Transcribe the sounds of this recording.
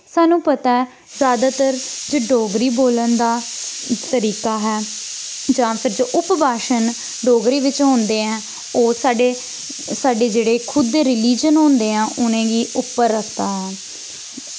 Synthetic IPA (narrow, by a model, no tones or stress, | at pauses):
saːnũːpət̪aː | zjaːd̪aːt̪əɾd͡ʒoːɖoːɡɾiːboːlənd̪aːt̪əɾiːkaːɦɛː | d͡ʒãːpʰɪɾd͡ʒoːʔʊpbaːʃən | ɖoːɡɾiːʋɪt͡ʃɦõːnd̪eːɛ̃ː | oːsaːɖeː | saːɖeːd͡ʒeːɽeːkʰʊd̪ːeːɾɪliːd͡ʒənɦõːnd̪eːãːʔʊnẽːɡiːʔʊpːəɾːəkʰt̪aːɦɛː